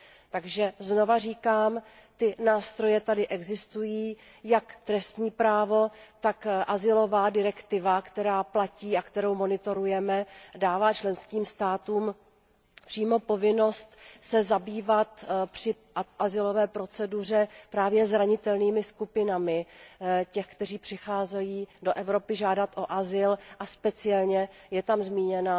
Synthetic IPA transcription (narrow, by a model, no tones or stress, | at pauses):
t̪aɡʒɛzno̞variːkaːm | t̪ɪnaːst̪ɾo̞jɛt̪adɪʔɛɡzɪst̪ujiː | jakt̪ɾɛst̪ɲiːpɾaːvo̞t̪akʔazɪlo̞vaːdɪɾɛkt̪ɪvakt̪ɛɾaːplaciːakt̪ɛɾo̞wmo̞nɪt̪o̞ɾujɛmɛdaːvaːt͡ʃlɛnskiːmst̪aːt̪uːm | pr̥iːmo̞po̞vɪno̞st̪sɛzabiːvat̪pr̥ɪ | ʔazɪlo̞vɛːpɾo̞t͡sɛdur̝ɛpɾaːvjɛzɾaɲɪt̪ɛlniːmɪskupɪnamɪcɛxkt̪ɛriːpr̥ɪxaːzɛjiːdo̞ʔɛvɾo̞pɪʒaːdat̪ʔo̞ʔazɪlʔaspɛt͡sɪɛlɲɛjɛt̪amzmiːɲɛna